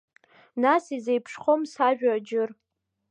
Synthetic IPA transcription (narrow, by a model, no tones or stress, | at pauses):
nasizejpʰʂχomsaʒᶣad͡ʒɪr